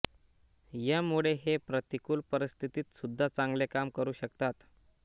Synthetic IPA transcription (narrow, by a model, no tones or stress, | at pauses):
jamuɭeɦepɾət̪ikuːlpəɾist̪ʰit̪iːt̪sud̪ʱːat͡sãŋɡlekamkəɾuːɕəkt̪at̪